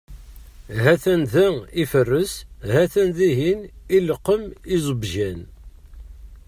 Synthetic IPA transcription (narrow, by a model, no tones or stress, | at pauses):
ɦæθænðæifərːəsɦæθænðiɦiniləqːəmizˤəbʒæn